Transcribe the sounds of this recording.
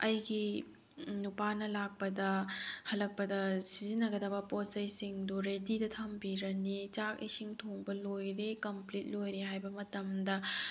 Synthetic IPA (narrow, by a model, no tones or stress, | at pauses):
ɐjɡi | nupanɐlak̚pɐdɐhɐlːɐk̚pɐdɐsizinːɐɡɐdɐbɐposɐjsiŋduɾedidɐtʰɐmbiɾɐnit͡ʃak̚ḭsiŋtʰoŋbɐlojɾekɐmplit̚lojɾeɦajbɐmɐtɐmdɐ